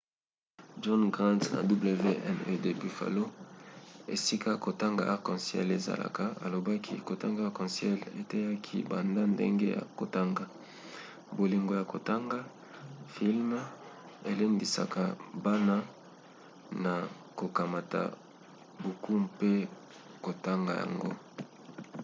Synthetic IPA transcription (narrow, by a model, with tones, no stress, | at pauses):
d͡ʒɔ˦nɡʁã˦ntna̰˨du˦ble˨ve˦ʔɛ˦nø˦de˨bi˨fa̰˨lo˦ | e˨si˦ka˦ko˨ta˦ŋɡa̰˨a˦ʁkɔ̃˨nsjɛ̰˦le˨za̰˨la̰˨ka˨a̰˨lo˨ba˦kʰḭ˦ko˨ta˦ŋɡa˦a˦ʁkɔ̃˨nsjɛ˦lḛ˨tɛ˦ja˦kʰḭ˦ba˨nda˦ndḛ˦ŋɡe˦ja̰˨ko˨ta˦ŋɡa˨ | bo˨li˨ŋɡo˨ja˨ko˨ta˦ŋɡa˦ | fi˦lm˦ | e˨le˦ndi˨sa̰˨ka˨ba˦na˦ | na˨ | ko˨ka˨ma˨ta̰˨ | bu˨kʰu˦mpe˦ | ko˨ta˦ŋɡa˨ja̰˨ŋɡo̰˦